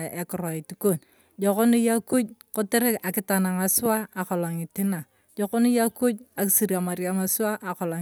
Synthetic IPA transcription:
e˨kʊ˨ɾo˨i˨ti˨ko˦˨n | d͡ʒo˨ko˦ni˦ja˦ku˦ɟko˦te˦ɾe˦ka˨kɪ˦ta˨na˨ŋa˨sʊ˦aː˦˨ko˨la˨ŋi˨ti˦na˨ | d͡ʒo˨˦ko˦ni˦ja˦ku˦ɟa˨ki˦si˨ɾia˨ma˨ɾja˦ŋa˨sʊ˦a˦ʔa˨kɔ˨la˨

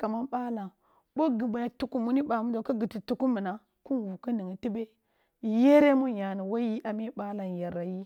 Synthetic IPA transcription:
ka˨ma˦nɓa˦la˨ | bo˦ɡi˨ba˨ja˦tu˨ku˦mu˦ni˦ɓa˨mu˦do˨ku˦ɡi˨ti˨tu˦ku˦mu˨na˨ | ku˦nwu˨ku˦ni˨ŋi˨ti˦be˦˨˦ | je˦ɾe˦mu˦ja˨ni˨wa˦ji˦ʔa˨mi˦ɓa˦la˨nja˨ɾa˨ji˦

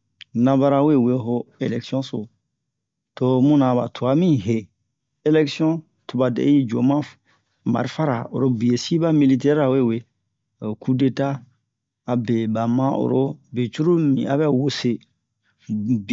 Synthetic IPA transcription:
nã˨ba˦ɾa˨we˦˨we˦ɦo˦e˨lɛ˨ksi˦ɔ̃˦so˨ | to˦mũ˦nã˨ba̰˨tʰu˨a˨mĩ˦ɦe˨ | e˦lɛ˦ksi˦ɔ̃˦ | tu˨ba˨dɛ̰˨˦i˦d͡ʒo˨mã˦ | ma̰˨ɾi˨fa˦ɾa̰˨o̰˨ɾo˦bi˨e˨si˦ba˦mi˦li˦t̬ɛ˦ɾa˨we˦˨we˦˨ | ku˦de˦taː˦˨ | be˨ba˨mã˦ʔo̰˨ɾo˦be˨t͡ʃu˦ɾu˦mḭ̃˨a˨βɛ˦wo˦se˦

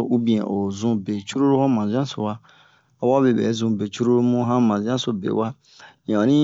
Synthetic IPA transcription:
u˦bĩ˨e˨ʔo˨zũ˦be˨t͡ʃu˦ɾo˦ɾo˦hõ˦mã˨zã˦so˨wa˦ | a˨wa˦be˨bḛ˨˦zũ˦˨be˨t͡ʃu˦ɾo˦ɾo˦mũ˦ɦã˦mã˨zã˦so˨bḛ˨wa˦ | jã˨ɾĩ˦

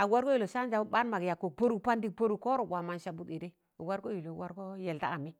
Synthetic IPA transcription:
a˨wa˦ɾo˦i˦˨lo˨ʃa˦n˦d͡ʒa˨˦ba˦nma˨ɡja˨kːo˨po˦ɾu˦pa˦ndi˦k̚po˦ɾu˨ko˦ɾo˨ɡʷa˨ma˦nʃa˨bu˦di˨ɾe˦˨ | wa˦ɾɡo˦ji˨lo˨wa˦ɾko˦je˨lta̰˦a˨mi˦

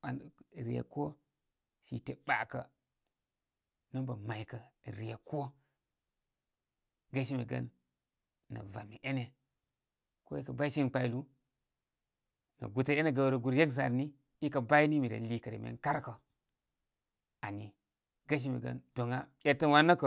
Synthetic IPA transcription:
a˨n˨ɾḭ˨a̰˨ko˦ | ʃi˨te˨ɓa˨kə˨ | na˦nba˨ma˨jkə˨ɾi˨ja˨ko˦ | ɡa˦ʃ̬i˦mi˨ɡɐ̰˦nː | ɐ̰˨va˨mi˨ʔe˦ne˨ | ko˦i˦kɐ˨ba˦i˦ʃi˦nk͡pa˦˨i˦lu˦ | nɐ̰˨ɡu˨ta˨e˦ne˨ɡa˨wɾo˨ɡu˨ɾje˦ks̬a̰˨ɾni˦ | i˦kɐ˨ba˦i˦ni˦mi˨da̰˨li˨kə˨de˨mḛ˨nka˦ɾkə˨ | a˨ni˨ | ɡa˦ʃ̬i˦mḭ˨ɡɐ̰˦nd̥o˨ŋa˦je˨tə˦nwa˦nɐ˦kə˨

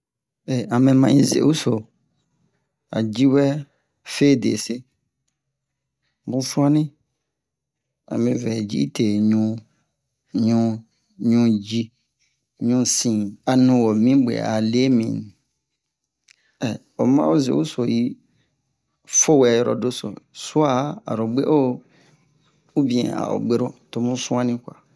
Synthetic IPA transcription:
e˨a˨mẽ˨mã˨ĩ˨˦zḛ˨˦u˦so˨ | a̰˨d͡ʒi˦wɛ˦ | fe˦˨dḛ˨se˦ | bũ˦fu˦a˦nɪ̃˦ | a̰˨mɪ̃˨vɛ˨d͡ʒḭ˦i˦tʰe˨ɲũ˦ | ɲũ˦ | ɲũ˦d͡ʒi˦ | ɲũ˦sĩ˨a˨nũ˨wɔ˨mĩ˦ɡ͡bḛ˨a̰˨le˦mḭ̃˨n˨ | ɛ˨ | ɔ˨mã̰˦o˦zḛ˨u˦so˨ji˦ | fo˦wɛ˨jɾɔ̰˨do˦sɔ̰˨su˦a˦˨a̰˨ɾo˨ɡ͡be˦ʔo˦ | u˦bĩ˨ɛ̰̃˨a̰˨ɔ̰˨ɡ͡be˦ɾo˦to˨mũ˦sũ˦ã˦nĩ˦kʷa̰˨

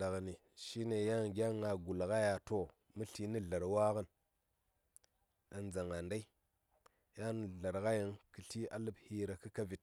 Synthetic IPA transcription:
a˨ɣni˨ | ʃi˦ne˨ja˦ŋɡʲa˦ŋa˨ɡu˨lka˦ja˨to˨ | mu˦ɬi˦ni˦ɮa˨ɾwa˦kə˦n | a˨nd͡za˨ŋa˨nda˦i˦ | ja˦n˨ɮa˨ɾka˦ji˨ŋkə˨ɬi˦a˦lə˦bhi˦ɾa˨kɨ˦ka˦vi˨t̚

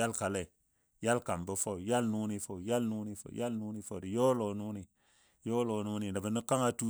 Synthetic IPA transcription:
a˦lka˨le˨ | ja˦lka˨mbə˨˦fo˦u˨ja˦lnu˦ni˧fo˨ja˦lnu˦ni˨fo̰˨ja˦lnu˦ni˧fo˨di˨jo˦lo˨nu˦ni˨ | jo˦lo˨nu˦ni˨nda˨bə˨nə˦ka˦ŋa˧tu˦

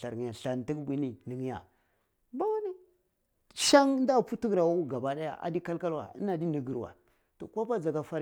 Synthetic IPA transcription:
ɬa˨ja˨ɬa˨n˨ti˦kbʷi˦ni˦ni˨ŋ˦ja̰˨ | ba˦wa˦ni˦ | ʃa˦ŋ˦nda˦˨pu˦tu˦ɡɾa˨wa˦u˦ɡa˨ba˦da˦ja̰˨ʔa̰˨di˦ka˦lka˦lwa̰˨ḭ˦na˨di˦ni˨ɡi˨ɾwa̰˨ | to˨ka˦ba˦d͡za˨ɡa˦fa˦ɾ

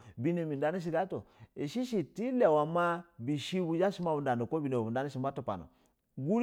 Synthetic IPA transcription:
bi˦ne˨mi˨nda˦ni˦ʃ̬i˦ɡa˦to˨e˨ʃi˦ʃ̬i˨ti˦la˨wa˨ma˦bi˨ʃi˦bu˨d͡ʒa˦ʃi˦ma˦bu˨nda˨n˨o˨ko˦bi˨ne˨u˨nda˦ni˦ʃi˨mba˦to˦pa̰˨no̰˨ | ɡu˦

